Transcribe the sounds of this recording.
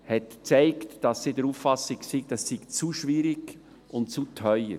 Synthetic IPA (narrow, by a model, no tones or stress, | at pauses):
hɛtt͡sɛɪktd̥ɑsːidəɾuːffɑsɪksiɡd̥ɑsːiɡt͡suʃʋiɾiɡ̥ | ʔʊntt͡sutʰœʏə̰ɾ